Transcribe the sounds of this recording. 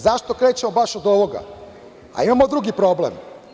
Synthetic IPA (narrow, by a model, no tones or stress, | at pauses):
zaʃt̪o̞kɾeːt͡ɕemobaʃod̪o̞ʋo̞ɡa̰ | a̰imamo̞d̪ɾuɡipɾo̞blḛm